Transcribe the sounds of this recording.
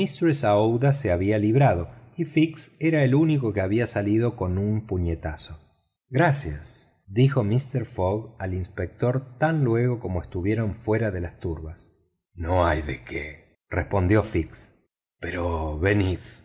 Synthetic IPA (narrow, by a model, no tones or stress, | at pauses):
mist̪ɾesaowðaseaβialiβ̞ɾað̞o̞ifikseɾaeluniko̞keaβiasaliðo̞ko̞numpuɲet̪aso̞ | ɣɾasja̰s | d̪ixo̞mist̪eɾfoɣalinspek̚t̪o̞ɾt̪anlwe̞ɣo̞ko̞mo̞est̪uβje̞ɾo̞ɱfwe̞ɾaðe̞last̪uɾβas | noajðekʰḛ | respo̞nd̪jo̞fiks | peɾoβenið